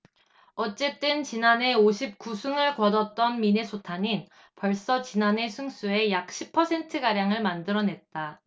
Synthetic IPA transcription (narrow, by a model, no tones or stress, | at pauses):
ʌt͡ɕ͈e̞t͈ɯnt͡ɕinane̞oɕʰip̚k͈usʰuŋɯɭkʌdʌt͈ʌnminesʰotʰaɲin | pʌɭs͈ʌt͡ɕinane̞sʰuŋs͈ue̞jak̚ɕ͈ʰipʰʌsʰe̞ntʰɯɡaɾjaŋɯɭmandɯɾʌne̞t̚t͈a